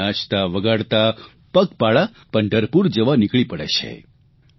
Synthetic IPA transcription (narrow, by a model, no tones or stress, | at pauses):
ãt͡ʃt̪aʋəɡaɽt̪a | pəkpaɭa | pəɳɖəɾpuɾd͡ʒəʋanɪkɭipəɽḛt͡ʃʰḛ